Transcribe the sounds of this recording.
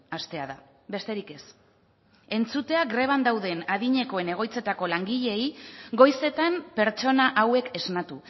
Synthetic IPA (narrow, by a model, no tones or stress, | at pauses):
ast̪e̞aða | be̞st̪e̞ɾike̞s | e̞nt͡sut̪e̞aɡɾe̞β̞and̪awðe̞naðiɲe̞koe̞ne̞ɣ̞o̞jt͡se̞t̪ako̞laŋɡiʎe̞iɡo̞jse̞t̪ampe̞ɾt͡ʃo̞naʔawe̞ke̞znat̪u